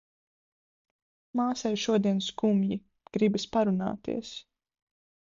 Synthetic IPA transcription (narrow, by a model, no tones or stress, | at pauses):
maːsajʃuɔd̪iɛnskumji | ɡ̥ɾibispaɾuna̰ːt̪ḭɛs